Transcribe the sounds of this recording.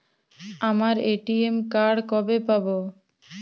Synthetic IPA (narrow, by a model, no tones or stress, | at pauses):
amaɾeʈiemkaɽkɔbepabo